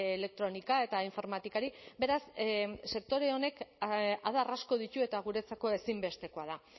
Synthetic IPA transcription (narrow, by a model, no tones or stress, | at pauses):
ele̞k̚t̪ɾo̞nikae̞t̪aiɱfo̞ɾmat̪ikaɾibe̞ɾasse̞k̚t̪o̞ɾe̞one̞kaðarasko̞ð̞ic̪ue̞t̪aɣ̞uɾe̞t͡sako̞e̞simbe̞st̪e̞ko̞að̞a